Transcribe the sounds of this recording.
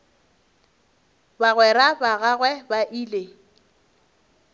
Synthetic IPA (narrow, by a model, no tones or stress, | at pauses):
baɣwɛɾabaɣaɣwɛbaʔiːle